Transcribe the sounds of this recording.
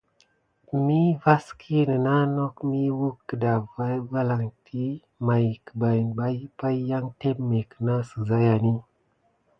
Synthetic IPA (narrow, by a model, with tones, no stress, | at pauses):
mi˦va˦skʰi˦nə˨na˦no˦kmi˦wu˦kːə˨da˨va˦va˦la˨ŋtʰi˦ | ma˨jkə̥˨ba˨jnba˦pa˦jja˦ŋte˦mme˨kə˨na˦sə˨za˦ja˨ni˦